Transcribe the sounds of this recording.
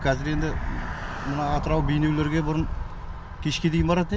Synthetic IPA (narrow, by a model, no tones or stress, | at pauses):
kʲʰɑzɪɾe̞nd̪ɪ | mənɑːt̪əɾɑwbejne̞wle̞ɾɡʲe̞bʊɾən | kʲʰe̞ʃkʲe̞d̪e̞jɪnbɑɾɑd̪ən